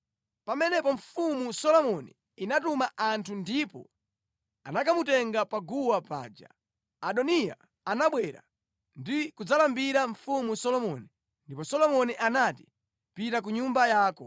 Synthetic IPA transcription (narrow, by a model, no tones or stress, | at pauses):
pamɛnɛpɔɱ̩fumusɔlɔmɔnḭ | inatumaʔantʰundipɔ̰ | anakamutɛŋɡapaɡuwapa̰ːd͡ʒa̰ | aɗɔnija̰ | anaɓwɛɾa̰ | ndikud͡zalambiɾaɱfumusɔlɔmɔni | ndipɔsɔlɔmɔniʔanati̥ | pitak̬uɲumbajaːkɔ